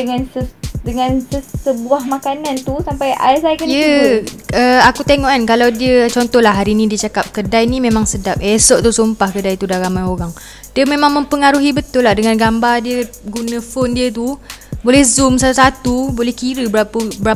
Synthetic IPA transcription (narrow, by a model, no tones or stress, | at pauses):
dəŋãnsədəŋãnsəsəbuahmakanãnt̪usampaja̰isajkənjə | əakut̪eŋɔʔankalawdiət͡ʃɔnt̪ɔhlaɦaɾinĩdiət͡ʃakap̚kədajnimẽmaŋsədap̚esɔʔt̪usumpahkədajt̪udaɾamajoɾaŋ | diəmẽmãŋmə̃mpəŋaɾuɦibət̪ʊlːahdəŋãnɡambardiəɡunə̃fondiət̪̬ubolɛhzumsat̪usat̪ubolɛhkiɾəbəapbəɾa